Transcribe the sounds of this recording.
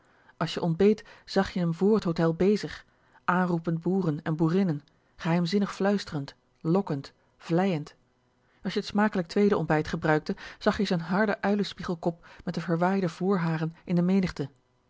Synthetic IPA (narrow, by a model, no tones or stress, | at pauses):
ʔɑlˠsjəʔɔnbejtz̥ɑχjəəmvʊːɹɦətɦowtɛlˠbejzəχ | ʔaːnrupənd̚buːrənɛnbuːrɪnən | χəɦɛjmzɪnəχflœɥstərənt | lɔkənt | v̥lɛjənt | ɑlˠʃjəətsmaːkələk̚tʋejdəɔ̰mbɛjtχəbrœɥk̚təz̥ɑχjəzonɦɑɹdəʔœɥləspiχəlˠkɔp̚mɛt̚dəvəɹʋaːjdəv̥ʊːɹɦaːrənʔɪndəmejnəχtə